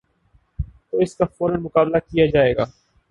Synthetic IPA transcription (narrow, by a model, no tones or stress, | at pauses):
t̪oːɪskafoːɾənmʊkaːblakijad͡ʒaːeːɡaː